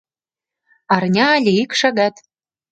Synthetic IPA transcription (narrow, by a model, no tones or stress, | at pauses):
ɑrnʲɑːlʲeikʃɑɣɑt̪